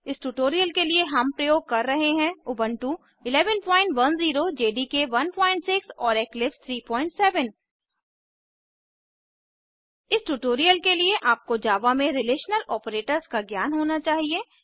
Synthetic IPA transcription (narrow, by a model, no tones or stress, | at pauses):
ɪsʈuʈoːɾijəlkelieɦɐmpɾɐjoːɡ̚kɐɾːɐɦeɦɛ̃ʊbə̃ɳʈu | ɪlɛːʋənpɔ̃ːɪ̃ɳʈʋɐnziːɾod͡ʒeːɖikeʋɐnpɔːɪ̃ɳʈsɪksɔːɾeːklɪpst̪ʰɾiːpɔːɪ̃ɳʈsɛːʋən | ɪsʈuʈoːɾijəlkelieʔaːp̚kod͡ʒaːʋamẽɾɪleːʃnəlʔɔːpɾeːʈəɾzkaɡjaːnɦoːnat͡ʃaːɦie